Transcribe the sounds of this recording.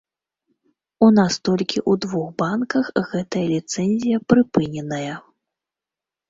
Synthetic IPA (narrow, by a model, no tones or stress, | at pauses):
unast̪ɔlʲkʲiʔud̪vuxbankɐxɣɛt̪ɐjɐlʲit̪sɛnʲzʲijɐpɾɨpɨnʲɛnɐjɐ